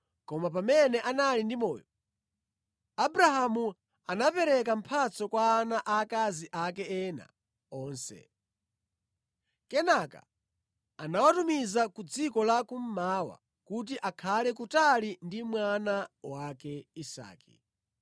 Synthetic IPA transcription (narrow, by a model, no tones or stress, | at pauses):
kɔmap̬amɛnɛʔanalindimɔːjɔ | abɾaɦamu | anapɛɾɛk̬am̩pʰat͡sɔkwaːnaʔakaziʔakɛɛna̰ | ɔːnsɛ̰ | kɛnaka̰ | anawatumizakud͡zikɔlakum̩mawa̰ | kut̬iʔakʰalɛk̬utalindimwanawakɛisa̰ːkḭ